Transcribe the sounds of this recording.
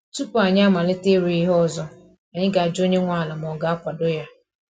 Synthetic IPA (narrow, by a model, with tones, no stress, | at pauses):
tu˦pʊ˦a˨ɲa˦ma˨lɪ˦te˦ɾi˨i˦ɦɔ˦˨zɔ˦ | a˨ɲɪ˦ɡa˨a˨d͡ʒo˦ɲe˦ŋʷa˦˨la˨m˨ɔ˨ɡa˨a˦kʷa˨dʊ˦ja˦